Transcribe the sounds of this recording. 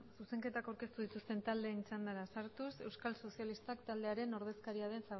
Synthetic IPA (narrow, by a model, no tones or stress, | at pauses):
suse̞ŋke̞t̪akawɾke̞st̪uðit̪ust̪e̞nt̪ald̪e̞ːnisand̪aɾasaɾt̪use̞wskalso̞sialist̪akt̪ald̪e̞aɾe̞no̞ɾð̞e̞skaɾiað̞e̞nsa